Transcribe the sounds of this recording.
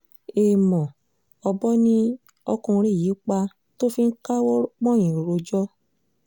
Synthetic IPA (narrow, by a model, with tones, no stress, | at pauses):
e˨mɔ̃˨ | ɔ˧bɔ˦nĩ˦ | ɔ˧kũ˧ɾe˦˨ji˨˦k͡pa˧ | to˦fi˦n̩˦ka˦wɔ˦k͡pɔ̃˦˨ĩ˨ɾo˨ɾo˧d͡ʒɔ˦